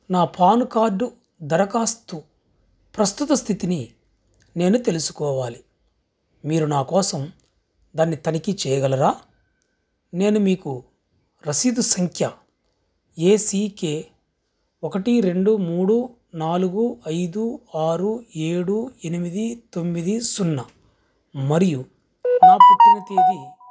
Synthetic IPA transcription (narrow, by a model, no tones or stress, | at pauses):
naːpʰaːnukaːɾɖu | d̪ɐɾɐkaːst̪u | pɾɐst̪ut̪ɐst̪ʰit̪ini | ne̞ːnut̪e̞lusu̥kɔːʋaːli | miːɾunaːkɔːsɐm | d̪aːnːit̪ɐnikit͡ʃɛːjɐɡɐlɐɾaː | ne̞ːnumiːku | ɾɐsid̪usɐŋkʰjɐ | eːsiːke̞ː | ɔkɐʈiɾe̞ɳɖumuːɽu | naːluɡuɐjd̪uaːɾue̞ːɽue̞nimid̪it̪o̞mːid̪isunːɐ | mɐɾiju | aːpɐt̪ːɐnɐt̪eːd̪i